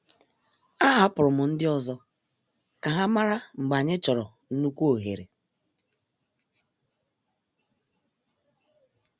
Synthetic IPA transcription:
a˦ɦa˦pʊ˨ɾʊ˨mʊ˨n̩˦dɪ˦ɔ˦zɔ˦ | ka˨ɦa˦ma˦ɾa˦ŋ͡m̩˨ɡ͡ba˨ɲɪ˦t͡ʃɔ˨ɾɔ˨ | n̩˦nu˦kʷo˨ɦe˨ɾe˨

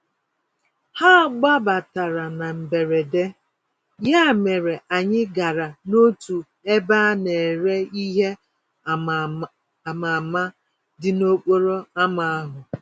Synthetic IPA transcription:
ha˦˨ɡ͡ba˦ba˨ta˨ɾa˨na˨m̩˨be˨ɾe˨de˦ | ja˦˨me˨ɾe˨ʔa˨ɲɪ˦ɡa˨ɾa˨no˦tu˨ | e˦ba˦ne˨e˨ɾe˦i˦ɦe˦˨ | ma˨ma˦ | dɪ˨no˦k͡po˦ɾo˦a˦ma˦a˦ɦʊ˨

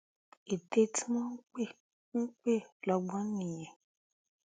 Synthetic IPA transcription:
e˨te˧ti˦mɔ̃˦n̩˦k͡pẽ˦˨˦ | k͡pe˦˨lɔ˧ɡ͡bɔ̃˦nĩ˦˨j̃ɛ̃˨

